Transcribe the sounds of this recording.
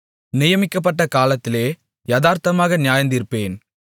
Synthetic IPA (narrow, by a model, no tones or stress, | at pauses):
nɪjɐmɪkːɐp̬ːɐʈːɐkaːlɐt̪ːɪleː | jɐðaːɾt̪ɐmaːɣɐnɪjaːjɐnd̪ɪɾɯpːeːn